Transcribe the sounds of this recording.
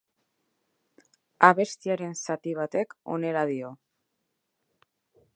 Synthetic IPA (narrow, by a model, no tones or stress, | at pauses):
aβe̞st̪iaɾe̞nsat̪iβ̞at̪e̞ko̞̰ne̞ɾað̞io̞